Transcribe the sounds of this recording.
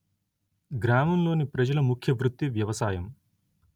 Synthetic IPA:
ɡɾaːmɐmlo̞ːnipɾɐd͡ʒɐlɐmukʰjɐʋɾut̪ːiʋjɐʋɐsaːjɐm

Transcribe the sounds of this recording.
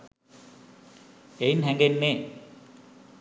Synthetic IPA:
einɦæŋɡenːeː

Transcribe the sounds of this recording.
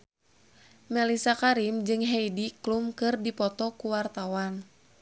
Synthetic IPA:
mɛlisakaɾimd͡ʒɨŋɦejdiklumkɨrdipɔt̪ɔkuwart̪awan

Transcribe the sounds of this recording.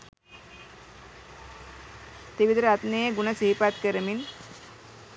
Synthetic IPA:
t̪iʋid̪ɾat̪neeɡunɐsiɦipat̪̚kəɾəmin

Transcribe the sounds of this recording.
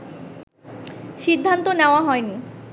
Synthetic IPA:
ʃid̪ʱːant̪oneoaɦɔeni

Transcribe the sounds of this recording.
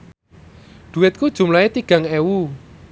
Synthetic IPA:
d̪̥ṳɪt̪̚kud̥ʒ̥ṳmlaet̪iɡ̥a̤ŋɛwu

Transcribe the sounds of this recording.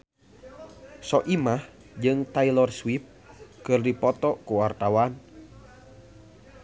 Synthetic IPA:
sɔʔimah | d͡ʒɨŋt̪ailɔrswip̚ | kɨrdipɔt̪ɔkuwart̪awan

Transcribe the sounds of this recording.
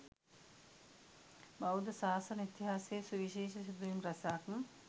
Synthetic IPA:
bɐwd̪əsaːsɐnit̪iɦaːsejsuʋiʃeːʃɐsud̪ujimɾɐsaːkm̩

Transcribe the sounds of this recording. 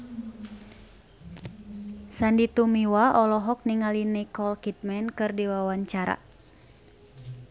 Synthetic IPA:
sandit̪umiwaʔɔlɔɦɔk̚niŋalinikɔlkit̪̚mɛnkɨrdiwawaɲt͡ʃaɾa̰

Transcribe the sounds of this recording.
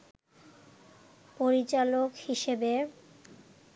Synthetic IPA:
poɾit͡ɕalokhiʃebe

